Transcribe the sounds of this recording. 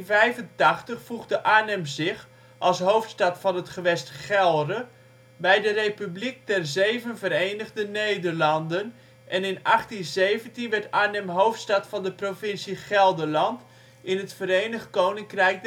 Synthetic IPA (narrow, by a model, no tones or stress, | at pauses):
nvɛjvəntɑχtəχfuχdəʔaːnɛmzɪχ | ʔɑlˠsɦowftstɑtfɑnɦətχəʋɛstχɛlˠrə | bɛjdərejpyblik̚tɛrzejvənvəɾejnəɣdənejdərlɑndən | ʔɛnɪnɑχtinzejvəntinʋɛrtaːnɛmɦowftstɑtfɑndəprofɪnsiχɛlˠdəlɑnt | ʔɪnətfəɾejnəχt̚kownɪŋkrɛjk̚